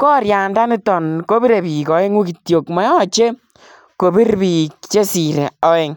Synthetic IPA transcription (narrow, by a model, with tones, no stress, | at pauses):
kɔ˦ɾja˨nda˦ni˦tɔ˨nko˦bi˦ɾe˨pi˨kɔ˨˦ɪ˦ŋu˦ki˨tjo˨kmɔ˨jɔ˦˨t͡ʃe˦ | ko˨bi˦ɾpi˨kt͡ʃe˦si˨ɾe˨ɔ˨e˨ŋ